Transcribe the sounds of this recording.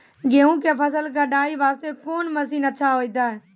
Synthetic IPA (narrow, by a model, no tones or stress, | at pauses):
ɡeːũːkepʰəs̬əlk̬aɖaːiːʋaːst̪eːkoːnməsiːnətːʃʰaːɦoːid̪aːɛː